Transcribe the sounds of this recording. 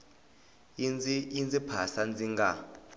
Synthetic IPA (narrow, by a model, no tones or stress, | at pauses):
ind͡zʼipʰasand͡zʱiŋɡa